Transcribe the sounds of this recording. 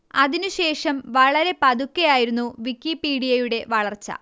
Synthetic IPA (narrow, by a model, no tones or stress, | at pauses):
ɐðinuɕe̞ːʂɐmʋɐɭɐɾe̞pɐd̪ukːejaːjiɾunːuʋikːipiːɽijɐjuɽe̞ʋɐɭɐrt͡ɕːɐ̰